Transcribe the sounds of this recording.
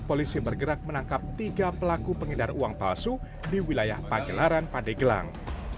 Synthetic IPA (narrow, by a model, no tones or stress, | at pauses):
polisibərɡəɾak̚mənaŋkap̚t̪iɡapəlakupəŋədaruaŋpa̰lsu | diwilajahpaɡəlaɾanpadaɡəla̰ŋ